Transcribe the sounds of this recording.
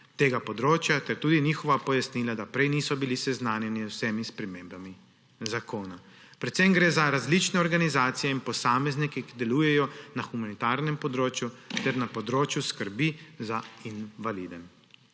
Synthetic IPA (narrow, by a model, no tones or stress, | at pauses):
t̪eːɡapɔd̪ɾoːt͡ʃjat̪ɛɾt̪uːd̪iniːxɔʋapɔjasniːlad̪apɾɛjnisɔbilisɛznaːnjɛniwsɛmispɾɛmembami | zakoːna | pɾɛt̪sɛmɡɾeːzaɾazlit͡ʃnɛɔɾɡanizaːt̪sijɛinpɔsaːmɛznikɛkid̪ɛluːjɛjɔnaxumanit̪aɾnɛmpɔd̪ɾoːt͡ʃjut̪ɛɾnapɔd̪ɾoːt͡ʃjuskəɾbizainʋalid̪ɛm